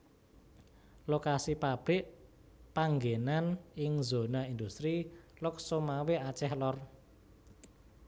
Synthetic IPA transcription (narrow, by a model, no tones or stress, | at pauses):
lokasipab̥ɾɪʔ | paŋɡenanɪŋzo̤naind̪ust̪ɾilʊk̚somaweat͡ʃɛhlɔr